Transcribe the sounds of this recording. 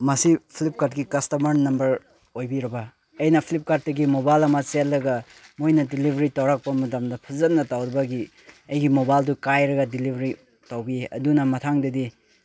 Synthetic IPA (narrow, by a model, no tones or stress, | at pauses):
mɐsipʰilip̚kat̚ɡipkɐstɐmɐɾnɐmbɐɾ | ojbiɾɐbɐ | ɐjnɐpʰilip̚kat̚dɐɡimobajlɐmɐselːɐɡɐ | mojnɐdilibʱɐɾitawɾak̚pɐmɐtamdɐpʰɐzɐtnːɐtawɾɐbɐɡi | ɐjɡimobajldukajɾɐɡɐdilibʱɐɾi | tawbieʔɐ̰dunɐmɐtʰaŋdɐdi